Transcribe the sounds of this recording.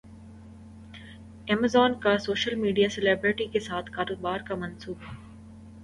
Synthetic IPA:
ɛːmazɔːnkasoːʃəlmiːɖijaseleːbɾɪʈikesaːt̪ʰkaːɾoːbaːɾkamɐ̃nsuːb

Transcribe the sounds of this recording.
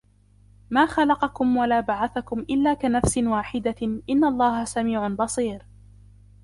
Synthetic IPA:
maːxalɑqɑkʊmwalaːbaʕaθakʊmʔɪlːaːkanafsɪwaːħɪd̪aʔɪnːalˤːɑːhasamiːʕʊbɑsˤiːɾ

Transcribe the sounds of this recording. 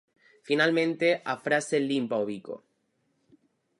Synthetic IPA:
finalmẽ̞nt̪e̞ʔafɾase̞limpaoβiko̞̰

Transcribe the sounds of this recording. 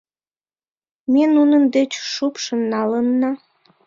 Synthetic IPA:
menunə̆nd̪et͡ɕʃupʃə̆nːɑlənːɑ

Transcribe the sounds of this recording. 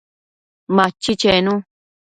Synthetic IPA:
mãt͡ʃːit͡ʃenũ

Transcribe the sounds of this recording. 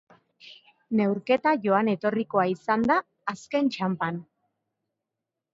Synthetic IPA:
ne̞wɾke̞t̪aʝo̞ane̞t̪o̞riko̞aisand̪aː | ske̞nt͡ʃampan

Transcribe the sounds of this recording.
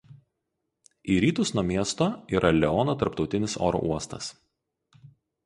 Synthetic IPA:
iːɾʲiːt̪ʊsnuɔmʲiɛst̪oːiːɾʔɐlʲɛɔːnot̪ɐɾpt̪ɒʊt̪ʲɪnʲɪso̰ːɾɔ̰ːʔuɔst̪ɐ̰s

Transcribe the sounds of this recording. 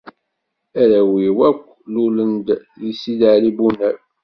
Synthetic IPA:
æɾæwiwækʷːlulənd̪ | ðisiðəlibunæɾ

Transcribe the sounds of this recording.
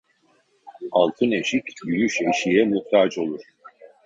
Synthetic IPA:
alˠt̪ʰɯneʃicʲd̪yjyʃe̞ʃijɛmuxt̪ʰat͡ʃo̞lˠuɾ̥

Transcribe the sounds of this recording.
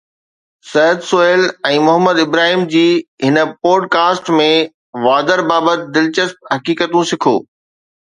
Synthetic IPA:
sɐɦəd̪soeːlɛ̃ːmʊɦəmːəd̪ɪbɾaːɦiːmd͡ʑiːɦɪnə̆pɔːɖkaːsʈmẽ | ʋaːd̪əɾbaːbət̪ɪd̪ɪlt͡ɕəsp̚ɦɐkiːkət̪ũsɪkʰo̰ː

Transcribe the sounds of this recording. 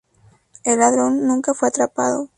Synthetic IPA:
e̞lːaðɾo̞nːũŋkafwe̞at̪ɾapaðo̰

